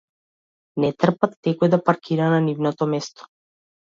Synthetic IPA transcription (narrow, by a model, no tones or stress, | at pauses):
nɛt̪r̩pat̪ːɛkɔjd̪apaɾkʰiɾananivnɔt̪ɔmɛst̪ɔ̥